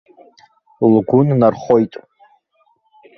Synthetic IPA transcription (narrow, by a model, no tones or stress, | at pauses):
lɡʷʊnnarχo̞jtʼ